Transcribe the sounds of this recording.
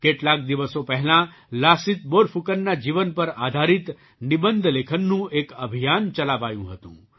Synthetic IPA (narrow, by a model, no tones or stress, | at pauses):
keːʈlaːk̚d̪iʋəsõpɛɦlã | laːsit̪boːɾpʰukənːad͡ʒiʋənpɐɾaːd̪ʱaːɾit̪ | nibənd̪ʱleːkʰənːũeːkɐbʱijaːnt͡ʃɐlaːʋaːjṵ̃ɦət̪ṵ̃ː